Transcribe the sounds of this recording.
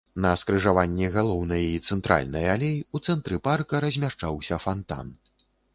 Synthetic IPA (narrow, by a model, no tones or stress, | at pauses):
nɐskɾɨʐavanʲːɛɣalˠɔwnɐjɐit̪sɛnt̪ɾʔa̰lʲnɐjalʲejut̪sɛnt̪ɾɨparkɐɾɐzʲmʲaʂt͡ʂawsʲɐfant̪a̰n